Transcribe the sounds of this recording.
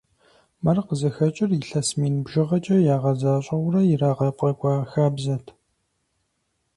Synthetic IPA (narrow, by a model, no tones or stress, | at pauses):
mɐrqəzɐxɐt͡ʃʼɪrɪɬɐsmiːnɨbʒɪʁɐt͡ʃʼɐjaːʁɐzaːɕʼɐwʷrɐjɪraːʁɐpʼɐkʷʼɑːxaːbzɐtʰ